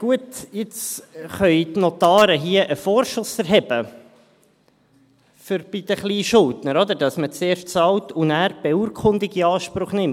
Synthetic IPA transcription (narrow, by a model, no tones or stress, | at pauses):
ɡ̥uətɪt͡sχœʏt̪not̪ɑːɾəɦiəʔəfoːɾʃʊsɛɾɦɛb̥ə | fʏɾb̥ɪd̥̪əχliːʃʊltnəɾɔd̪əɾdɑsmət͡seːɾʃt͡sɑltunæːɾb̥ɛuːɾkʰχʊnd̪ɪɡiɑːʃpɾʊχnɪm